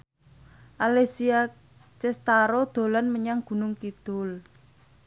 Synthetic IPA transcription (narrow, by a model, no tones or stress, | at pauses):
ʔalesia | t͡ʃɛst̪aɾod̪̥o̤lanməɲaŋɡ̥ṳnʊŋkid̪̥ʊl